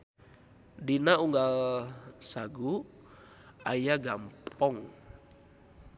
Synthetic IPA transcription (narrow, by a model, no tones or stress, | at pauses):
dinauŋɡalsaɡu | ajaɡampɔŋ